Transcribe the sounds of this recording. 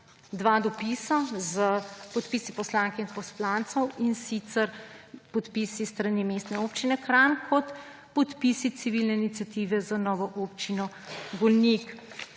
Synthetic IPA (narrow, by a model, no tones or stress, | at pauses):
d̪ʋad̪ɔpisazəpɔt̪piːsipɔslãŋkɛinpɔslant̪sɔwinsit̪sɛɾpɔt̪pisist̪ɾanimeːst̪nɛoːpt͡ʃinɛkɾankʰɔt̪ | pɔt̪pisit̪siʋilnɛinit̪sjat̪iʋɛzanɔːʋɔʔopt͡ʃinɔ | ɡɔlnik